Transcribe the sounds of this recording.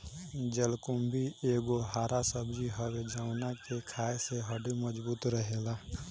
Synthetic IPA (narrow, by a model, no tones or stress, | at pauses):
d͡ʒelkʊmbʱieːɡoɦaːɾasəbd͡ʒiɦəwed͡ʒaʊnakekʰaːeseɦəɖiməd͡ʒbuːt̪ɾəɦeːlaː